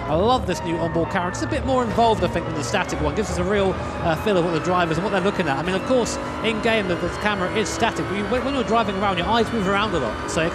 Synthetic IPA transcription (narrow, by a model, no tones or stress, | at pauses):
aɪlʌvðɪsnjʉʌ̃nbɔːd̚kʰaɹə̃ntɪtsəbɪt̚mɔːɹɪ̃ɱvɑlˠvdə̥θɪ̃ŋkɪ̃n̩ðəstætɪkwʌ̃nɡɪvzʌsəɹilˠ | ʌfɪlˠəvwʌt̪̚ðədɹaɪvə˞zə̃nwʌt̪̚ðə˞lʊkɪ̃ŋətaɪmĩnʌv̥kʰɔɹs | ɪ̃nɡẽɪ̃mðɨðəkʰæmə˞əʔɪz̥stætɪk̚b̥ʌjɨwə̃nwə̃njə˞dɹaɪvɪ̃ŋəɹãʊ̃nd͡ʒjə˞aɪzmʉːvə˞ãʊ̃ndəlɔ̰tsoʊɪ